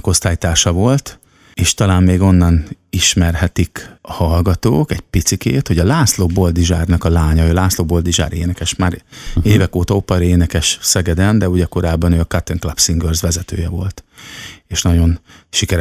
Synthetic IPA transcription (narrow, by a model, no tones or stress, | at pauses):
ko̞st̪aːjit̪aːʃɒvo̞lt̪ | eːʃt̪ɒlaːmmeːɡo̞nːɒniʃmɛrɦɛt̪ikɒhɒlɡɒt̪o̰ːkɛɟpit̪sikeːt̪ho̞ɟɒlaːsloːbold̪iʒaːrnɒkɒlaːɲɒøːlaːsloːbo̞ld̪iʒa̰ːɾeːnɛkɛʃmaːɾeːvɛkoːt̪ɒopɛɾeːnɛkɛʃsɛɡɛd̪ɛnd̪ɛuɟɛko̞ɾaːbːɒnøːɒkat̪ɛŋklapsiŋɡørzʋɛzɛt̪ø̰ːjɛvo̞̰lt̪eːʃnɒɟo̞nʃikɛɾ